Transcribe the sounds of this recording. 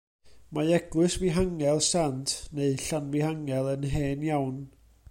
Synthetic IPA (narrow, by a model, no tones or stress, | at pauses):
maɛɡlɨsviɦaŋɛlˠsantʰneɨɬanvɪɦaŋɛlˠənɦeːnjawn